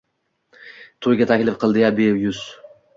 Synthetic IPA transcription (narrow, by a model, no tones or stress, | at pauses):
t̪ʰojɡʲat̪ʰakʲlɪfqʰɨlˠd̪ɪjabejʊz